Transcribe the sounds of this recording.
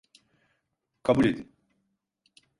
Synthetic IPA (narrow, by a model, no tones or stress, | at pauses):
kʰabulʲed̪in